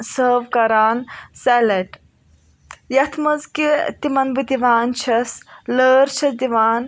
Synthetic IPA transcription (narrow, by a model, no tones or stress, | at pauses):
səːʋkɐɾaːnsɛlɐʈ | jɐt̪ʰmɐzkit̪imɐnbɨd̪iʋaːnt͡ʃʰɐsləːɾt͡ʃʰɐsd̪iʋaːn